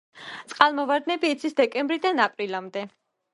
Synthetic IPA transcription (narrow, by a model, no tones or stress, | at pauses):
t̪sʼqʼalˠmɔvaɾd̪nɛbiːt̪sʰisd̪ɛkʼɛ̃mbɾid̪anapʼɾilamd̪ɛ